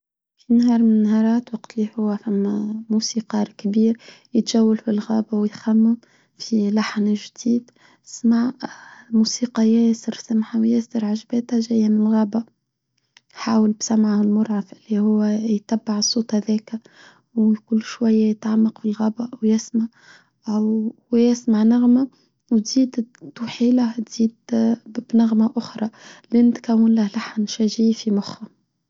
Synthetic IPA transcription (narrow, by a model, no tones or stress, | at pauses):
finhɑːɾˤmɪnnːhɑːɾˤɑːt̪wɑqt̪liːhʊwːæfæmːæmuːsiːqɑːɾkbiːɾ | jɪt̪ʒ̥æwːalfilɣɑːbawɪjxæmːɪm | filaħnɪʒd̪iːd̪ | smaʕmusiːqɑjɛːsɪɾsamħawjɛːsəɾʕaʒbæːt̪hæʒæjːæmɪnɪlɣɑba | ħaːwəlbsamʕahɪlmʊɾˤʕɑfʔɪlːihʊwːæjt̪æbːaʕəsˤːuːt̪hæðɛːkæ | wkʊlːʃwæjːæjɪt̪ʕamːɑqfilɣɑbaʔwjɪsmaʕ | jɪsmaʕnɪɣma | wt̪ziːd̪t̪ːuːħiːlat̪z̥iːd̪̚bnɪɣmaʔʊxɾˤɑlɪnt̪kawːənlahlaħnʃæʒiːfimʊxːa